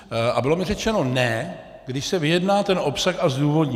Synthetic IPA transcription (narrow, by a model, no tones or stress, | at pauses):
ʔabɪlo̞mɪrɛt͡ʃɛno̞nɛ | ɡdɪʃsɛvɪjɛdnaːt̪ɛnʔo̞psaxazduːvo̞dɲɛ